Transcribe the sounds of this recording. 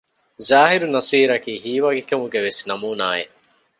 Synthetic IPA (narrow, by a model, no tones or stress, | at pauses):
zaːɦiɾunɐsiːɾɐkiːhiːʋaːɡekɐmuɡeʋesnɐmuːna̰ːjḛ